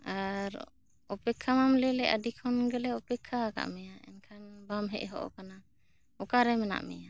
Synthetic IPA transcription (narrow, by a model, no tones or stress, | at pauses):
aɾ | ɔpɛkʰːamamlɛlɛʔadikʰɔnɡɛlɛɔpɛkʰːaka̰ʔmɛjaɛ̰nkʰanbamɦɛ̰ʔɦɔ̰ʔɔ̰kana | ɔkaɾɛmɛna̰ʔmɛ̰ja